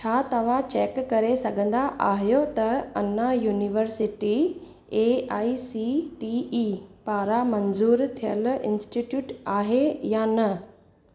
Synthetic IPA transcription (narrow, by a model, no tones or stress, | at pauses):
t͡ɕʰaːt̪ɐʋ̤ãt͡ɕeːkːɐɾesɐɡʱə̃n̆d̪aʔaːɦijot̪ɐɐnajuːniʋəɾsɪʈi | eːaːisiʈiːiːpaːɾamɐnzuːɾt̪ʰijə̰lɪ̰̃nsʈiʈjuːʈaːɦejanɐ